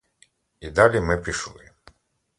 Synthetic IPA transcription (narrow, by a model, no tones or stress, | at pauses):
id̪alʲimɪpʲiʃlˠɪ̰